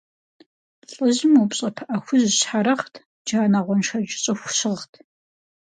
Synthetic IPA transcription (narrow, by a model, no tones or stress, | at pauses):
ɬʼɨʑɪmwupɕʼɐpʰʔɐxʷʊzɕħaɾɐχtʰ | d͡ʒaːnaʁʷɔnʃɐd͡ʒɪɕʼɐxʷʊɕɪʁtʰ